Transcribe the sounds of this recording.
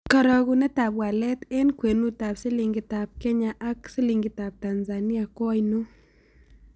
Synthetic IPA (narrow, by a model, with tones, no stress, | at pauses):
kɔ˨ɾɔ˧ɡunɛ˦t̪a˨pwa˨lɛ˦t̪ɛ˦nkwe˨nu˦t̪a˨psɪ˦li˨ŋɡɪ˦ta˨p̚kɛ˦ɲaʔa˦ksɪ˦li˨ŋɡɪ˨t̪a˨p̚t̪a˨nza˨ni˦a˨kɔ˦jnu˦